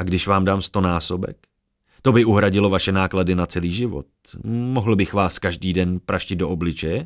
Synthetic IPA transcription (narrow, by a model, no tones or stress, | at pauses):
ʔaɡdɪʃvaːmdaːmst̪o̞naːso̞bɛ̰k | t̪o̞bɪʔuɦɾaɟɪlo̞vaʃɛnaːkladɪnat͡sɛliːʒɪvo̞̰t̪̚moɦl̩bɪxvaːskaʒdiːdɛnpɾaʃcɪd̪do̞ʔoblɪt͡ʃɛjɛ